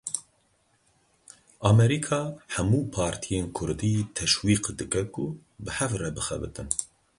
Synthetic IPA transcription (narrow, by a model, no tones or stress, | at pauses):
ɑːmɛɾikʰɑːhɛmuːpʰɑːɾt̪ʰijeːnkʰʊɾd̪it̪ʰɛʃwiːqd̪ɨkɛkʊ | bɨhɛvrɛbɨxɛ̰bɨt̪ɨn